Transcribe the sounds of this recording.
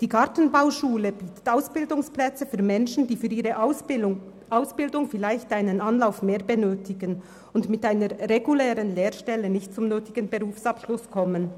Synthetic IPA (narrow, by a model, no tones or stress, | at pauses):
d̥iːɡaɐtən̩baʊʃuːləb̥iːtə̥taʊsb̥ɪldʊŋsplɛt͡səfyːɐmɛnʃn̩d̥iːfyːɐʁiːʁə | aʊsb̥ɪldʊŋfɪlaɪçtaɪnənɑnlaʊfmeːɐbənøːtɪɡən | ʊndmɪtaɪnəʁʁeɡulɛːʁənleːʁʃtɛlənɪçtt͡sʊmnøːtɪɡ̥ənbəʁuːfsɑpʃlʊskʰɔmən